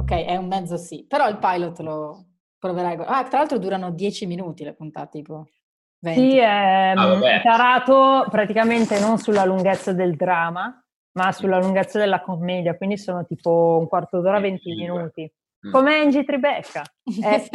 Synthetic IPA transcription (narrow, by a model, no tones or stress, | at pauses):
okːɛjʔɛumːɛd̪zosipeɾɔilpajlot̪ːlo | pɾoveɾajɡoat̪ɾalalt̪ɾod̪uːɾanod̪jɛːt͡ʃiminuːt̪ilepunt̪a̰t̪t̪iːpo | vesiɛ | paɾaːt̪opɾat̪ikament̪enonsulːaluŋɡet̪sːad̪eld̪ɾaːma | masulːaluŋɡet̪sːad̪elːakomːɛːd̪jakwind̪isoːnot̪iːpouŋkwart̪od̪oːɾavent̪iminuːt̪i | komend͡ʒit̪ɾibɛkːaɛ